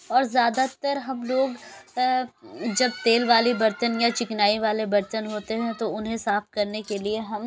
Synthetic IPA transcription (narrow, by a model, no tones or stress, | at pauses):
ɔːɾzjaːd̪at̪əɾɦɐmloːɡ | d͡ʒɐb̚t̪eːlʋaːlibɐɾt̪ənjat͡ʃɪknaːiʋaːlebɐɾt̪ənɦoːt̪eɦɛ̃t̪oʊnɦẽsaːfkɐɾnekelieɦɐm